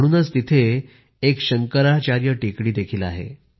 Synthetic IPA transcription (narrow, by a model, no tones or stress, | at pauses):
ɽuːnət͡st̪it̪ʰeː | kɕəŋkəɾat͡ɕaɾjəʈekɽiːd̪ekʰiːla̰ɦḛ